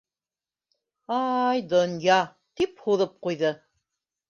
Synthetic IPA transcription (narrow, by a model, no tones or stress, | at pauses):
ɑjd̪ŏnjɑ | t̪iphuðɤp̚qujðɤ